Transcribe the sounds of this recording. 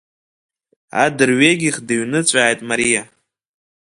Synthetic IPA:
a̰dɨrɥeɡʲiχdɨɥnɨt͡sʷʼaːjtʼmaɾija

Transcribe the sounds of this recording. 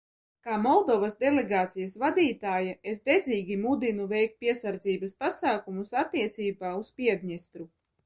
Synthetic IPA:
kaːmɔlˠd̪ɔvasd̪elʲeɡaːt̪sijasvad̪ʲiːt̪aːjaesd̪ɛd̪zʲiːɡʲimud̪inuvɛjk̚t̪̚pʲiɛsaɾd̪ziːbɐspasaːkumusat̪ːiɛt̪siːbaːuspʲiɛd̪ʲɲɛst̪ɾu

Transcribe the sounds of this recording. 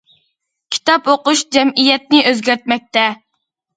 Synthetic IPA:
kʲʰi̥t̪ɑpoqʊʃd͡ʒɛmijɛt̪̚nɪʔøzɡʲæɾt̪̚mɛk̚ʲt̪ɛ

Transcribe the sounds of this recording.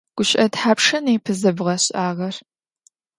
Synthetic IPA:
ɡ̥ʷʊɕʼɐtħaːpʂɐneːpʰɨzɐbʁɐɕʼaːʁɐr

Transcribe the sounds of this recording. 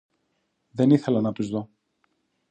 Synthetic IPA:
ðe̞niθe̞lɐnɐpizðo

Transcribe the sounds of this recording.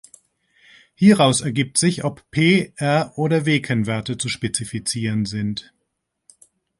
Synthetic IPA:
hiːʁaʊsɛɐɡiːp̚tz̥ɪçɔppʰeːʔɛɐʔoːdɐveːkʰənvɛɐtət͡suʃpet͡sifit͡siːʁənzɪnt

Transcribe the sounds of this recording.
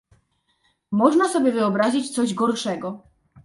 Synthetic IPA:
mɔʐnasɔbʲjɛvɘɔbɾaʑit͡ɕt̪sɔʑɡɔɾʂɛɡɔ

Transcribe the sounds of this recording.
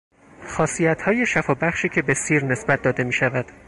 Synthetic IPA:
xɒːsijæt̪ʰhɒːje̞ʃæfɒːbæχʃiːcʰe̞be̞siːɾne̞sbæt̪̚d̪ɒːd̪e̞miːʃævæd̪̥

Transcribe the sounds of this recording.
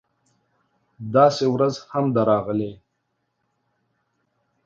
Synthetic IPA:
d̪ɑːsewɾazhamd̪aɾɑɣəle

